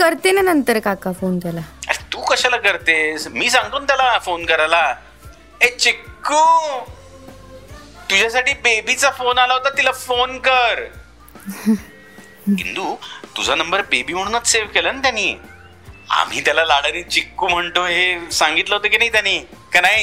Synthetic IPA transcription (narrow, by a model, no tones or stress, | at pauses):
kəɾt̪enenənt̪əɾkakafont̪jalaa̰ɾet̪uːkəɕalakəɾt̪esmiːsãŋɡ̚t̪oːnt̪̬jalafonkəɾajla | ɦet͡ɕikːuː | t̪ud͡ʑʱas̬aʈiːbebit͡safonalaɦot̪at̪ilafonkəɾ | kḭnt̪uːt̪ud͡zʱanəmbəɾbebiːm̤əɽ̃unːat͡sseʋkelənat̪janiː | a̰m̤iːt̪jalalaɽəniːt͡ɕikːuːm̤əɳt̪oɦesãŋɡit̪ləɦot̪əkinaɦit̪janiː | kanaɦi